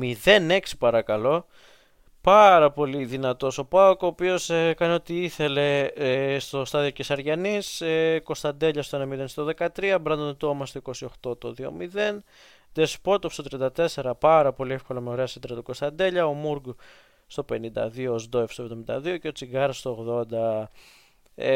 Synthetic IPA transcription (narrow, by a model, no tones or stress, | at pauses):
miðe̞ne̞ksi̥pɐɾɐkɐlo̞ | pɐɾɐpo̞liðinɐt̪o̞so̞pɐokoːpio̞sekɐneo̞t̪iiθe̞le̞st̪o̞st̪ɐðio̞cesɐɾʝɐnisko̞st̪ɐnd̪e̞ʎɐst̪oenemind̪enst̪oðe̞kɐt̪ɾiɐbɾɐnd̪ont̪o̞mɐst̪oiko̞sio̞xt̪o̞t̪oðio̞̰miðe̞n | d̪espo̞t̪ofst̪ot̪ɾiɐnd̪ɐt̪e̞se̞ɾɐpɐɾɐpo̞liefko̞lɐmeoɾe̞ɐsid̪ɾɐt̪uko̞st̪ɐnd̪e̞ʎɐomuɾɡ | st̪o̞pe̞nind̪ɐ̰ðioːzd̪oefst̪ovðomind̪ɐ̰ðio̞ceo̞t͡siɡɐɾɐst̪oːɣðo̞nd̪ɐ